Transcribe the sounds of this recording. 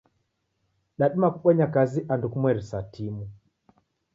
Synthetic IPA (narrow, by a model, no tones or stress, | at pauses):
ɗaɗimakuɓaɲakaziʔandukumwɛɾisatʰimu